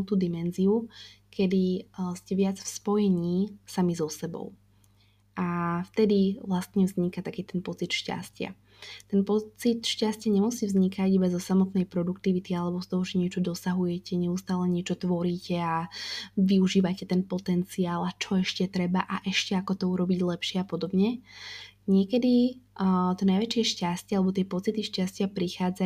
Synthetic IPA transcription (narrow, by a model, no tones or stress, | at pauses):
ut̪ud̪imɛnziukʰɛd̪iscɛʋɪad͡zfspɔjɛɲiːsamizɔsɛbɔ̰ʊ | ʔaft̪ɛd̪iʋlast̪ɲɛvzɲikat̪akiːt̪ɛnpɔt͡sit̪ʃca̰scɪa̰ | t̪ɛnpɔt͡sit̪ʃcascɪaɲɛmusivzɲikʰaɟibazɔsamɔt̪nɛjpɾɔd̪ukt̪iʋit̪ialɛbɔst̪ɔɦɔʒɛɲɪɛt͡ʃɔd̪ɔsaɦujɛcɛɲɛust̪aːlɛɲɪɛt͡ʃɔt̪ʋɔɾiːcɛaʋiuʒiːʋacɛt̪ɛnpɔt̪ɛnt͡siaːlat͡ʃɔɛʃcɛt̪ɾɛbaʔaʔɛʃcɛakɔt̪ɔuɾɔbiɟlɛpʃɪɛapɔd̪ɔbɲɛ | ɲɪɛkɛd̪i | t̪ɔnajʋɛt͡ʃɪɛʃcascɪalɛbɔt̪̬ɪɛpɔt͡sit̪iʃcascɪapɾixaːd͡za